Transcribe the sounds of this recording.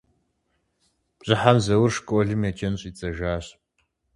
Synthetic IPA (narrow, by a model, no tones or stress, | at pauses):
pʼɕʼɪħamzɐwʊrʂkʼɔɮɨmjet͡ʃʼɐnɕʼit͡sʼɐʒaːɕ